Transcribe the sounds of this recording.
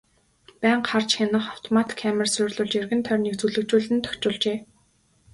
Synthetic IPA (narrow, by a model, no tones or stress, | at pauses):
pæːɴɢχart͡ɕxanə̆χaw̥t̪ʰɔmat̪kʰːæmə̆rsʊːrɮʊːɮt͡ɕerɣɘ̆nt̪ʰœːrʲnekt͡suɮɵ̆kt͡ɕuːɮɘ̆nt̪ʰœ̥xt͡ɕʊːɮt͡ɕeː